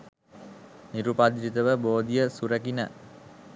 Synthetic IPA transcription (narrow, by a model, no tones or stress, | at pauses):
niɾupad̪ɾit̪əʋəboːd̪ijəsuɾəkinə̰